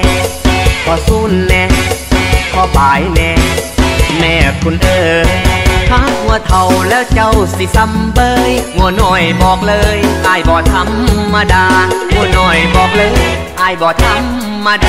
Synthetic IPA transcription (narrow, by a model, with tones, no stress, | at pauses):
kʰɔː˧˩suː˧˩nːɛ˧ | kʰɔː˧˩paː˨˦jnɛ˧ | mɛː˧˩kʰu˧˩nʔɤː˧˩ | k̪ʰaː˧˥˩hu˧˦ət̪ʰa˨˩wlɛː˦˥wt͡ɕa˧˩wsi˧˦sa˧˥mbɤː˧jŋu˧˩ənɔː˧˩jbɔː˨˩k̚lɤː˧jʔaː˧˩jbɔː˨˩t̪ʰa˧˥mːaː˧daː˧ŋu˧˩ənɔː˧˩jbɔː˨˩k̚lɤː˧˦jʔaː˧˩jbɔː˨˩k̚t̪ʰa˧˥mː | aː˧da˧